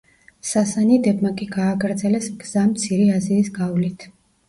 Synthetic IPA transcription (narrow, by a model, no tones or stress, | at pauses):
sasanid̪ɛbmakʼiɡaːɡɾd̪zɛlɛsɡz̥amt̪sʰiɾiaziːsɡavlit̪ʰ